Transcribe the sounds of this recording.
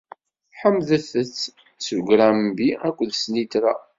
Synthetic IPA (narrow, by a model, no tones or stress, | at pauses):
ħəmðəθət͡sː | svɡɾæmbiækʷːðsnit̪ɾa